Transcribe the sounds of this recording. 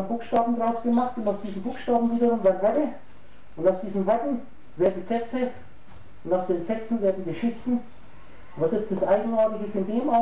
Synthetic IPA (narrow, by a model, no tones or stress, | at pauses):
b̥uːxʃtaːbm̩dʁaʊsɡ̥əmaχtʊntaʊsd̥iːzn̩buːxʃtaːbm̩viːdəʁʊmvaɪvɛdə | ʊntaʊsd̥iːzn̩ʁɛkn̩ | veːɐdəsɛt͡sə | ʊndaʊsd̥eːnzɛt͡sn̩deːɐdiɡəʃɪçtn̩ | vasjɛt͡stasʔaɪɡŋ̩aːtɪçɪsɪndeːmʔa